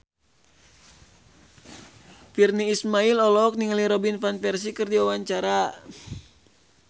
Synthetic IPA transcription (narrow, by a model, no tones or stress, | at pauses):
firniːsmailɔlɔk̚niŋaliɾɔbinfanfɛrsikɨrdiwawaɲt͡ʃaɾa